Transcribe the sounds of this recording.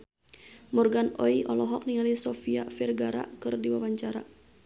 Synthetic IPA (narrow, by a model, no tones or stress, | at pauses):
mɔrɡanɔiʔɔlɔɦɔk̚niŋalisɔfiafɛrɡaɾa̰kɨrdiwawaɲt͡ʃaɾa